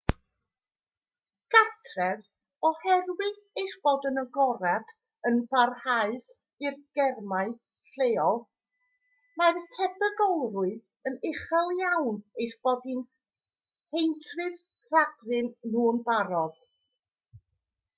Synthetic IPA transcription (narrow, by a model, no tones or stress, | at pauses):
ɡ̥artʰrɛð | ɔhɛrwɪð | ejχb̥oːdənəɡɔɾad̥ | ənb̥arhaɨs | ɪrɡ̥ɛrmaɨ | ɬeːɔlˠ | martʰɛbʰəɡɔlˠrʊɨð | ənɪχalˠjawnejrb̥ɔdɪn | hejntʰrɨð | raɡrɪnːuːnbaɾɔð̥